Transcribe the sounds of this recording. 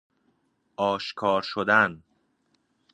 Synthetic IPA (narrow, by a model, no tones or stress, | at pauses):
ɒːʃkʰɒːɾʃod̪æn